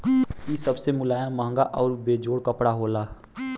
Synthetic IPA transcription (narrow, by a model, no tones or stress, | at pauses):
isəbsemʊlaːjamãːŋɡaʔɔːɾbeːd͡ʒoːɽkəpɽaɦoːlaː